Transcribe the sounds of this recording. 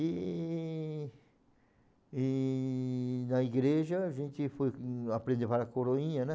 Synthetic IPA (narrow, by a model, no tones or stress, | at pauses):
i | i | nɐiɡɾeʒɐʒẽnt͡ʃ̪ɪfojapɾẽnd̪epaɾɐkoɾoĩɲɐnɛ̃